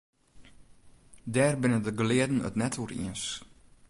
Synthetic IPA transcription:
dɛːrbɪnədəɡəlɪədn̩ə̰tnɛtʰurḭəns

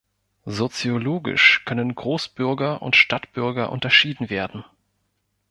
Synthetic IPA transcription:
zot͡sjoloːɡɪ̰ʃkʰœnənɡʁoːsb̥ʏɐɡɐʔʊ̰ntʃtatb̥ʏɐɡɐʔʊ̰ntɐʃiːdn̩veːɐdn̩

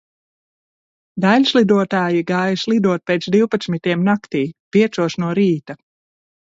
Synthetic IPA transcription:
d̪alʲslˠid̪uɔt̪aːjiɡaːjslˠid̪uɔt̪̚pʲeːt̪sd̪iwpat̪smit̪iɛmnakt̪iːpiɛt̪suɔsnuɔɾiːt̪a

